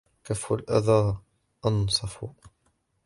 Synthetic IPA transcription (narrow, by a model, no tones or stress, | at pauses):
kafalʔaðaː | ʔɑnsˤɑfu